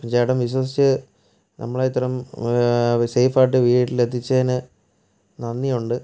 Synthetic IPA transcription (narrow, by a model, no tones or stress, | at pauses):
piɲd͡ʑaːiɽɐmʋiɕwɐsit͡ɕːɨ | nʔɐ̰mːɐɭeit̪ːɐrɐm | sejfaːʈːɨʋiːʈːilet̪ʰːit͡ɕːɐnɨ | nɐnːijuɳɖɨ